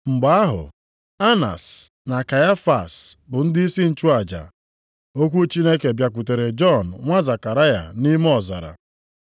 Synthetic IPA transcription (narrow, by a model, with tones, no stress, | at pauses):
ŋ͡m̩˨ɡ͡ba˨a˦ɦʊ̰˨ | a˦na̰˨sna˨ka˨ja˦fa˨sbʊ˨n̩˦dɪi˦i˦si˦n̩˨t͡ʃu˦a˨d͡ʒa̰˨ | o˦kʷu˦t͡ʃi˦ne˦ke˨bja˨kʷu˨te˨ɾe˨d͡ʒɔ˦˨n̩˨ŋʷa˦za˨ka˨ɾa˦ja̰˨ni˦m˦ɔ˨za̰˨ɾa̰˨